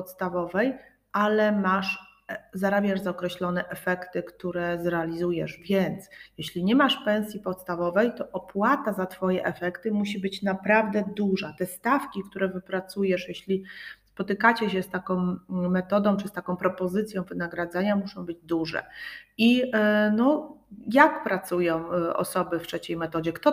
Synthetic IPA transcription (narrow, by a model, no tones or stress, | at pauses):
pɔt̪st̪avɔvɛj | ʔalɛmaʂ | zaɾabʲjaʐzaɔkɾɛɕlɔnɛʔɛfɛkt̪ɘkt̪uɾɛzɾɛalʲizujɛʐvʲjɛnt̪sjɛɕlʲiɲɛmaʂpɛ̃w̃sʲjipɔt̪st̪avɔvɛjt̪ɔʔɔpwat̪azat̪fɔjɛ̰ʔɛfɛkt̪ɘmuɕ̬ibɘt͡ɕnapɾavd̪ɛd̪uʐat̪ɛst̪afkʲikt̪uɾɛvɘpɾat̪sujɛʂjeɕlʲispɔt̪ɘkat͡ɕɛɕ̬ɛst̪akɔ̃w̃mɛt̪ɔd̪ɔ̃w̃t͡ʂɨst̪akɔ̃w̃pɾɔpɔzɘt̪sʲjɔ̃w̃vɘnaɡɾad̪zaɲamuʂɔ̃w̃bɘd͡ʑd̪uʐɛ̰inɔjak̚pɾat̪sujɔ̃w̃ɔ̰sɔbɘftʂɛt͡ɕejmɛt̪ɔd͡ʑɛkt̪ɔ